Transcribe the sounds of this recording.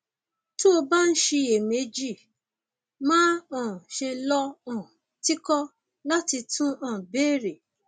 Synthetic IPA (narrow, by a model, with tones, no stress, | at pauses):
to˦o˧ba˦˨n̩˦ʃe˧e˨me˨˦d͡ʒi˦˨ | mãː˦ɔ̃˨ʃe˧lɔ˦ɔ̃˦˨ | ti˦kɔ˦ | la˦ti˧tũ˦ɔ̃˦˨be˦˨ɾe˨